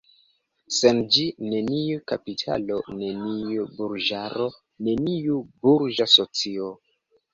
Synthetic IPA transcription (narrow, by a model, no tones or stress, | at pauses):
se̞nd͡ʒine̞niukapitʰa̰lo̞ne̞niubuɾd͡ʒaɾo̞ | ne̞niubuɾd͡ʒaso̞t͡sio